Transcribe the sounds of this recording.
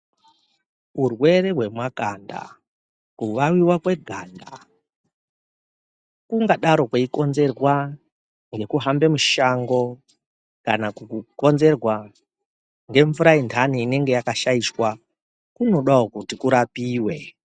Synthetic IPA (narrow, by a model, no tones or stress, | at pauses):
urwe̞ɾeɦwe̞mwakanda̰ | kuʋawiwakwe̞ɡʱaːnda̰ | kuŋɡaɗaɾo̞kweiko̞nze̞rwa | ŋɡe̞kuɦambe̞muʃaŋɡo̞ | kanakuko̞nze̞rwa | ŋɡe̞ɱvuɾaindʰʱaniːne̞ŋɡe̞jakaʃaiʃwa | kuno̞ɗaokutikuɾapiːwe̞